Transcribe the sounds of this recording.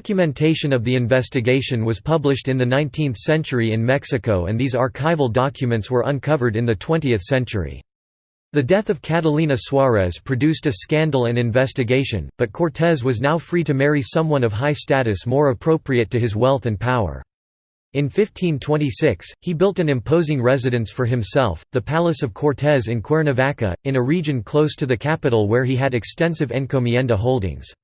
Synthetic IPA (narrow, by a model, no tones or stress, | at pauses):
kjɨmɨ̃ntʰeɪʃɨ̃nʌvðiɨ̃ɱvɛstɨɡeɪʃɨ̃nwʌz̥pʰʌblɨʃtɨ̃nðɨnãɪ̃ntʰĩnθsɛ̃nt͡ʃə˞iɨ̃nmɛksɨkoʊɨ̰̃nðizɑɹkʰaɪvl̩ˠdɑkʰjɨmɨ̃ntswə˞ʔə̃nkʰʌvə˞ɾɨ̃nðɨtʰw̥ɛ̃ntiɨθsɛ̃nt͡ʃə̰˞ḭ | ðɨdɛθʌv̥kʰæɾəlˠĩnɨswɑɹɛz̥pʰɹ̥ɨdʉstɨskæ̃ndˡl̩ˠɨ̃nɨ̃ɱvɛstɨɡeɪʃɨ̰̃nb̥ʌt̚kʰɔɹtʰɛzwʌznaʊfɹiɾɨmɛɹisʌ̃mwʌ̃nʌv̥ɦaɪstæɾɨsmɔɹəpʰɹ̥oʊpɹiɨtʰɨɨzwɛlˠθɨ̃npʰaʊə̰˞ | ɨ̃nfɪftʰĩntʰw̥ɛ̃ɾ̃isɪkshibɪlˠtɨ̃nɨ̃mpʰoʊzɪ̃ŋɹɛzɨɾɨ̃nsfə˞ɨ̃msɛ̰lˠfðɨpʰælˠəsʌv̥kʰɔɹtʰɛzɨ̃nkʰw̥ɛɹnɨvækɨ̰ɨ̃nɨɹid͡ʒɨ̃nkʰl̥oʊstʰɨðɨkʰæpɨɾl̩ˠwə˞iɨɾɨkstɛ̃nsɨvɛ̃nkʰomiɛ̃ndəɦoʊlˠdɪ̰̃ŋz̥